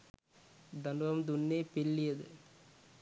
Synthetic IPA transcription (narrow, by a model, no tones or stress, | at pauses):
d̪ɐnʋɐmd̪ʊnːeːpɪlːɪjɐðɯ